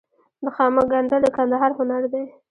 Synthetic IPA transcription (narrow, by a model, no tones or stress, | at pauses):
d̪əxɑməɡaɳɖələkand̪aɦɑɾhʊnaɾd̪e